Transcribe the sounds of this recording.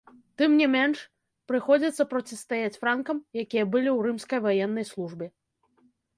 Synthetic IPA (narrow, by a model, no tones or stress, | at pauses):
t̪ɨmnʲɛmʲɛnʂ | pɾɨxɔd͡zʲɐt̪sːɐpɾɔt͡sʲist̪ajat͡sʲfɾankɐmjakʲijɐbɨlʲiwrɨmskɐjvajɛnːɐjslˠuʐbʲɛ